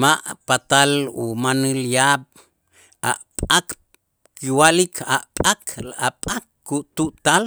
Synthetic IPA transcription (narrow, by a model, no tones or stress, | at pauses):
maʔpat̪alṵmanɨljaɓ | a̰ʔpʼak | kiwalikʰa̰ʔpʼakapʼakː | uʔt̪uʔt̪al